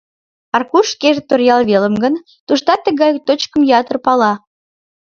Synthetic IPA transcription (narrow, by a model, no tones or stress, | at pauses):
ɑrkuʃkeʒet̪orjɑlβeləmɡən | t̪uʃt̪ɑt̪ːəɣɑjt̪ot͡ɕkəmjɑt̪ərpɑlɑ